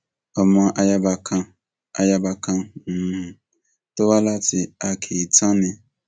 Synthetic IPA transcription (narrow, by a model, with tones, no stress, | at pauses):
ɔ˨mã˨˦ʔa˨ja˦ba˨kʰã˦ | a˨ja˦ba˨kʰã˦˨ | tʊ˦wa˦la˦tʰɪ˨a˨kʰe˨tʰã˦nɪ̃˨